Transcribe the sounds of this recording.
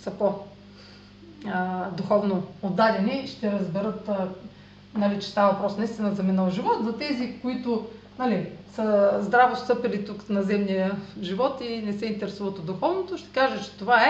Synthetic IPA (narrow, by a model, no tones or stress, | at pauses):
sɐpo | əd̪uxɔvnood̪ːadʲɐniʃt̪ɛɾɐzbɛɾɤt̪ | nɐlit͡ʃɛ̥st̪avɐvɐpɾɔsnɐist̪inəzɐmɛnəlˠʒivɔt̪zɐt̪ɛzikoit̪ʊ | nalisəzd̪ɾavost̪ɤpɛlit̪uknɐzɛmnijəʒivɔt̪inɛsɛint̪ɛɾɛsuvət̪od̪ːʊxɔvnot̪oʃt̪ɛ̥kaʒət͡ʃɛ̥t̪ovaɛ